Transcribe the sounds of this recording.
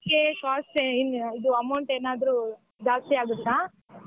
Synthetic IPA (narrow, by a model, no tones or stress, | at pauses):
kekaːsʈeinid̪uɐmɐwɳʈeːnaːd̪ɐɾu | d͡ʒaːst̪iaːɡut̪ːaː